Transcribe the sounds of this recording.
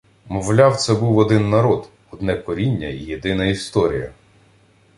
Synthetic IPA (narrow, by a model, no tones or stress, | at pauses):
mɔwlʲɑwt̪sɛbuwɔd̪ɪnːɐɾɔd̪ | ɔd̪nɛkɔɾʲinʲːɐijed̪ɪnɐist̪ɔɾʲijɐ